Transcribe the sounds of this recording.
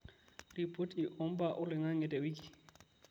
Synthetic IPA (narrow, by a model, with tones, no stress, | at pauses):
d̥i˨pʼo˦tʼiʔɔ˦m̩˦ba˨ʔʊ˦lɪ˨ŋa˦ŋ̩ɛ˨tʼɛ˨wi˦kʼi̥˨